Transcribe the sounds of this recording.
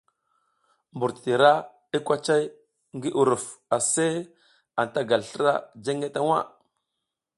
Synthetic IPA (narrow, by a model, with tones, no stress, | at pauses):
mbu˨ɾtti˨ɾa˦ | i˦kʷa˦t͡ʃa˦j | ŋɡi˦ʔu˨ɾu˨fa˨se˦ | a˨n˨ta˦ɡa˨lɬə˦ɾa˦d͡ʒe˦ŋɡe˦ta˦wa̰˦